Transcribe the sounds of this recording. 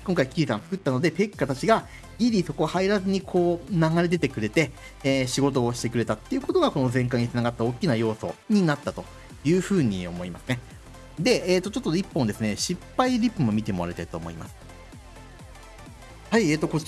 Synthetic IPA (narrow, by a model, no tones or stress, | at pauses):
kõŋkaikʲiɾʲisãnt͡sɨ̥kɯ̟t̪ːano̞d̪e̞pe̞kːat̪at͡ɕiɡa | ɡʲiɾʲiso̞ko̞haiɾazɨɲ̟ikʰo̞ːnaɡaɾed̪e̞t̪e̞kɯ̟ɾe̞t̪e̞ː | ɕiɡo̞t̪o̞ːɕi̥t̪e̞kɯ̟ɾe̞t̪at̪ːe̞iɯ̟ko̞t̪o̞ɡako̞no̞zẽ̞ŋk̬aɲ̟itt͡sɨnaɡat̪ːao̞kʲːinajo̞ːso̞̰ɲ̟inat̪ːat̪o̞ | jɯ̟ːɸɯ̟ːɲ̟ḭo̞mo̞imasɨ̥ne̞ | d̪e̞eːt̪ːot͡ɕo̞t̪ːoipːõ̞nd̪e̞sɨneɕipːaiɾʲipːɯ̟mo̞mʲit̪e̞mo̞ɾaɾit̪ait̪o̞̰ːmo̞̰ḭma̰sɨ̥ | haieːt̪ːo̞ko